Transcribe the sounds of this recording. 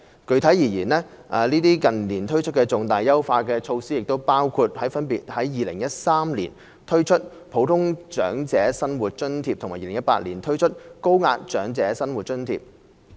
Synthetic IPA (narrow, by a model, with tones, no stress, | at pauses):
kɵ˧ɥt̪ʰɐ˨˥jiː˨˩jiː˨˩nlɛː˥ | ʔaː˨liː˥t̪iː˥kɐ˨˩nliː˨˩nt̪ʰɵ˥ɥt͡ʃʰɵ˥t̚kɛː˧t͡sʊ˨ŋt̪aː˨˩jːɐ˥wfaː˧kɛː˧t͡ʃʰo˧wsiː˥jɪ˨k̚t̪o˥wpaː˥wkʰuː˧t̚hɐ˨˥jfɐ˥npiː˨t̚hɐ˨˥jːiː˨lɪ̰˨˩ŋjɐ˥t̚saː˥mlḭː˨˩n | t̪ʰɵ˥ɥt͡ʃʰɵ˥t̚ | pʰo˨˥wt̪ʰʊ˥ŋt͡ʃœː˨˥ŋt͡sɛː˨˥sɐ˥nwuː˨˩t̚t͡ʃɵ˥nt̪ʰiː˧p̚tʰʊ˨˩ŋmaː˨˩iː˧lɪ˨˩ŋjɐ˥tpa̰ː˧t̚liː˨˩nt̪ʰɵ˥ɥt͡ʃʰɵ˥t̚ko˥wŋaː˧t̚t͡ʃœː˨˥ŋt͡sɛː˨˥sɐ˥nwu˨t̚t͡ʃɵ˥nt̪ʰḭ˧p̚